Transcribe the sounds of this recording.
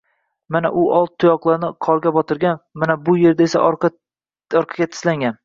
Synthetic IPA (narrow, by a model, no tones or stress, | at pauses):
manaʔʊʔɒlˠt̪̚t̪ʰːʊjɒqlˠaɾnɪqʰɒɾɡʲabɒt̪ʰɪɾɡʲanmanabʊje̞ɾd̪aesa̰ʔɒɾ | ɒɾqʰɑ̥ɡʲat̪ʰɪ̥slaŋɡʲan